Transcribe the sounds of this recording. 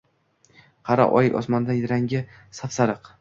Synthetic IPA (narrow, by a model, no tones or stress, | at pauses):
qʰɑɾa̰ʔɒ̰jɪʔɒ̰smand̪aɾaŋɡʲɪ | safsaɾɨq